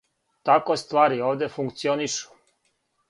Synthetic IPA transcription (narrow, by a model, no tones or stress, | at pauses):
t̪akost̪vaːɾioːvd̪jɛfuŋkt̪sioniʃu̥